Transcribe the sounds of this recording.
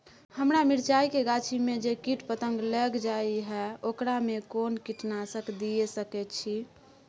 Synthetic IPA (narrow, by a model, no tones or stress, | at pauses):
həmɾamiɾt͡ʃaikeɡat͡ʃʰimed͡ʒekiʈpət̪əŋɡləɡd͡ʒaiɦɛokɾamekonkiʈnasəkd̪ijesəkɛtt͡ʃʰi